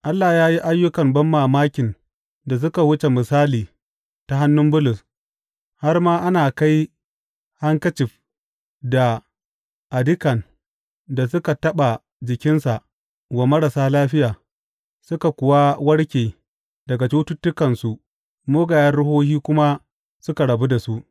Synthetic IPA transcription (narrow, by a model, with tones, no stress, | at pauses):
ʔa˦lːaː˨jaː˦ji˦ʔa˦jːʊ˦kɐ˨mbɐ˦mːaː˨maː˦kʲɪ˨n | da˨s̬ʊ˦ka˨wʊ˦t͡ʃe˨mɪ˨saː˦liː˨ | ta˨ɦa˦nːʊ˦mbʊ˦lʊ˨s | ha˦rmaː˦ʔa˦naː˨ka˦j | ha˦ŋkɐ˦t͡ʃɪ˨ɸ | da˨ | ʔa˨dɪ˦kɐ˨n | da˨s̬ʊ˦ka˨tɐ˦ɓa˨ | d͡ʒɪ˨kʲɪ˦nsa˨ʔ | wɐ˨mɐ˦ɽa˨saː˦laː˦ɸɪ˦jaː˨ | sʊ˦ka˨kʷʊ˨wa˦wɐ˦ɽkʲeː˨ | dɐ˨ɡa˨t͡ʃu˦tʊ˦tːʊ˦kɐ˨nsu˨ʔ | moː˦ɡaː˨jɐ˦nɽʊ˦hoː˦hiː˦kʷʊ˦ma˦ | sʊ˦ka˨ɽɐ˨bu˦da˨su˦ʔ